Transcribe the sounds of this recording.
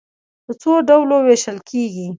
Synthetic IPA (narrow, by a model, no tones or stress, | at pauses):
d̪ət͡soɖawloweʃəlkʰeɡi